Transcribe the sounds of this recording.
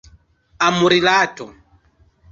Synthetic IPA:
amuɾilaːtɔ

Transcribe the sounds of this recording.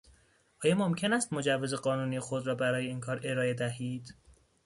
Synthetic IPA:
ʔɒːjɒːmomcʰe̞næːst̪mod͡ʒævːeze̞ɢɒːnuːnijexo̞d̪ɾɒːbæɾɒːje̞iːnkʰɒːɾe̞ɾɒːe̞d̪æhiːd̪̥

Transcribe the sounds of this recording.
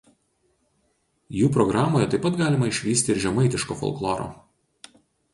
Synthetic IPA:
juːpɾɔɡɾɑːmoːjɛt̪ɐɪpɐt̪ɡɑːlʲɪmɐɪʃʲʋʲiːsʲt̪ʲɪːɾʒʲɛmɐɪt̪ʲɪʃko̰ːfɔ̰lˠklˠoːɾo̰ː

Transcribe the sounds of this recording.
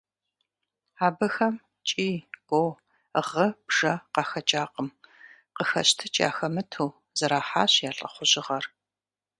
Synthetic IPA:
aːbɐxɐm | t͡ʃʼiːɡ̥ʷow | ʁəb̥ʒ̥ɐqɑːxɐt͡ʃʼaːqəm | qəxɐɕtʰɨt͡ʃʼa̰ːxɐmɨtʰuː | zɐɾaːħa̰ːɕjaːɬʼɐ̰χʷʊʑɪʁɐr

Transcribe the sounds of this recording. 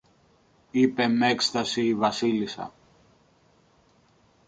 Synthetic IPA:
ipe̞mekst̪ɐsiːvɐsilisɐ̰

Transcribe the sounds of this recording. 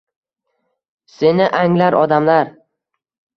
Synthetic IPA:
se̞nɪʔaŋlaɾʔɒd̪amlaɾ

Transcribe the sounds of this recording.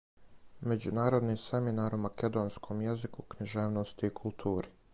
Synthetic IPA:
me̞d͡ʑunaːɾod̪nise̞minaːɾumake̞d̪o̞ːnskʰo̞mjezikukɲiʒeːʋnost̪iːkʰulˠt̪ʰuːɾi

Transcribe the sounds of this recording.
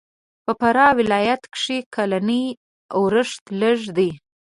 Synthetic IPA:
pəpaɾɑwɪlɑjat̪kʂikʰalanə | awɾəʂt̪ləʐd̪i

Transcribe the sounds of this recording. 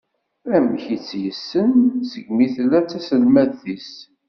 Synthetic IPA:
æmçit͡sːjəsːənsəɡmiθlːæt͡sːæsəlmæðθis

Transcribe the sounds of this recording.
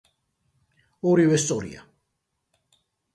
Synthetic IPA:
ɔɾivɛst̪sʼɔɾḭa̰

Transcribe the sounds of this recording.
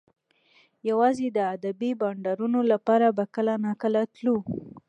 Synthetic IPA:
jawɑzed̪əad̪abibɑɳɖaɾunolapɑɾabakəlanakəlat̪lu

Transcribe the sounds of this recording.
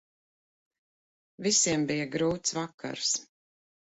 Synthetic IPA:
visiɛmbijaɡɾuːt̪svakʰːa̰ɾs

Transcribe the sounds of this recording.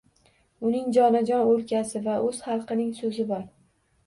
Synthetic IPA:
ʊnɪŋd͡ʒɒnad͡ʒɒnoɾkʲasɪvaʔɵz̥χɑlˠqɨnɪŋsɵzɪbɒɾ

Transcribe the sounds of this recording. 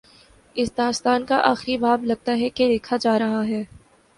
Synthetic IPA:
ɪsd̪aːst̪aːnkaʔaːxɾibaːblɐɡ̚t̪aɦɛked̪eːkʰad͡ʒaːɾɐɦaɦɛː

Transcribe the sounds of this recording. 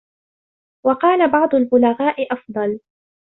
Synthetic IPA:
wɑqɑːlabɑʕd̪ˤʊlbʊlaɣaːʔɪʔɑfd̪ˤɑl

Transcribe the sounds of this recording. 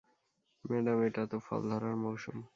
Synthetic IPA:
mɛɖameʈat̪ofɔ̰ld̪ʱɔɾaɾmɔwʃum

